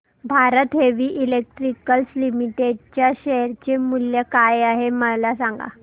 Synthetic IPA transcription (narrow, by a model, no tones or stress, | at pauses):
bʱaɾət̪ɦeʋiːʔilek̚ʈɾikəlslimiʈeɖ̚t͡ɕjaɕeɾt͡ɕemuljəkajaɦeməlasãŋɡa̰